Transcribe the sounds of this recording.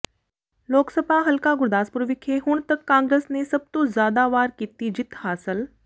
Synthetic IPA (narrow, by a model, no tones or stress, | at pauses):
loːksəbʱaɦɐlkaɡʊɾd̪aːspʊɾʋɪkʰeɦʊɽ̃t̪ɐkːãːŋɡɾeːsnesɐb̚t̪ozjaːd̪aʋaːɾkiːt̪id͡ʒɪt̪ʰhaːsəl